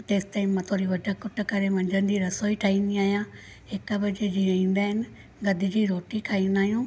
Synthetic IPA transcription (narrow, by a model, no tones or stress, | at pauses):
ʈeːsʈaːɪmːãːt̪ʰoːɾiʋɐɖʱəkʊʈ̆kɐɾeʋɐ̃ɲd͡ʒənɪ̆diːɾɐsoːiʈʰaːĩːnd̪iaːɦijãː | ɦɪkbɐd͡ʑed͡ʑiːɾɐɦĩːn̆d̪aːɦɪnɪ̆ | ɡɐd̪ʱɪd͡ʑiːɾoːʈikʰaːĩːnd̪aːɦijũː